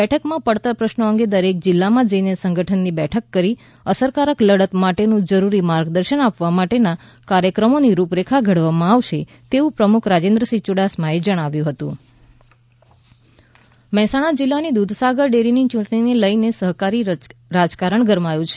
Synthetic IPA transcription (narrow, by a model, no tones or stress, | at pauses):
ɛʈʰəkmãpəɽt̪apɾəʃnəəŋɡed̪əɾek̚d͡ʒɪlːamãd͡ʒəinesə̃ŋɡʱəʈʰənːibɛʈʰəkːəɾi | əsəɾkaɾəkləɽət̪maʈenũd͡ʒəɾuɾimaɾɡd̪əɾʃənapʋamaʈena | kaɾjəkɾəmoniɾupɾekʰaɡʱəɽʋamãaʋʃe | t̪eʋũpɾəmukʰɾad͡ʒẽnd̪ɾəsit͡ʃʊɽasmaed͡ʒəɽ̃aʋjũɦət̪ũ | məɦɛsaɽ̃ad͡ʒɪlːanid̪ud̪ʱsaɡəɾɖeɾinit͡ʃũʈɳineləjnesəɦkaɾiɾad͡ʒkaɾəɳɡəɾmajũt͡ʃʰe